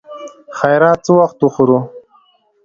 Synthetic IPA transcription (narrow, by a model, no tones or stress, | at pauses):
xajɾɑːt̪̚t͡səwaxt̪uxuɾu